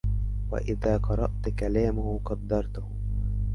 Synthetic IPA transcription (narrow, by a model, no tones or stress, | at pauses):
wa̰ʔɪðaːqɑɾˤɑʔt̪kalaːmʊhʊqɑd̪ːɑɾˤt̪ʊh